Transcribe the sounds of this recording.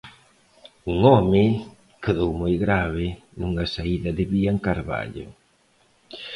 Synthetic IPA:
uŋɔmɪ | keðowmojɣɾaβɪ | nuŋasaiðɐðɪβiaŋkaɾβa̰ʎo̰

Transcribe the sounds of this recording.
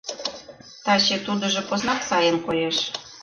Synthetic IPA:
t̪ɑt͡ɕet̪ud̪ɤ̆ʒɤ̆poznɑksɑjənkojeʃ

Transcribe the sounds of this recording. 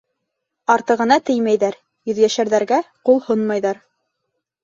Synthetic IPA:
ɑɾt̪ɤ̆ʁɤ̆nɑt̪ɘjmæjðæɾ | jɵ̆ðjæʃæɾðæɾɡæqulˠhonmɑjðɑɾ

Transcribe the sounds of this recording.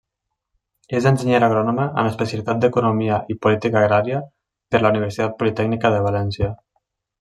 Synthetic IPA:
ezenseɲeɾaɣ̞ɾɔnoməʔə̰məspəsjəlit̪at̪̚d̪ekunomiaʔipulit̪ikaːɣɾaɾiə | peɾlauniβ̞eɾsit̪at̪̚pulit̪ɛɡnikəðəβ̞alɛnsjə

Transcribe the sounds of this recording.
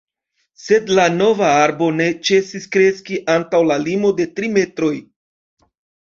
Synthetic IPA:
se̞dlano̞vaaɾbo̞ne̞t͡ʃe̞siskɾe̞skiʔantawlalimo̞de̞tɾime̞tɾo̞j

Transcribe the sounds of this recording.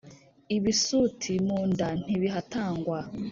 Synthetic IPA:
iβisutʰimuːndan̥iβiɦataːŋɡwa

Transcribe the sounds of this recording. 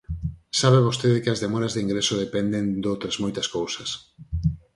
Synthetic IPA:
saβeβ̞ost̪eðɪkɪɐzðemɔɾɐzðiŋɡɾesoðepɛnd̪end̪owt̪ɾɐzmojt̪ɐskowsɐs

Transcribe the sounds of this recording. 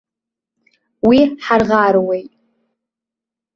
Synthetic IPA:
wiħarʁaɾwejtʼ

